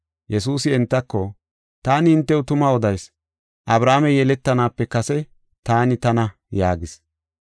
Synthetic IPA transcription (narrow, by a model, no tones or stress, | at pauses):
jʔɛsuːsɪɛnt̪ːɐkːɔ | t̪aːnɪhɪnt̪ːɛwt̪ʊmɐɔd̪ɐjs | ʔɐbɾaːmɛjɛlɛt̪ːɐnaːpːɛkɐsɛ | t̪aːnɪt̪ɐnɐ | jaːɡɪs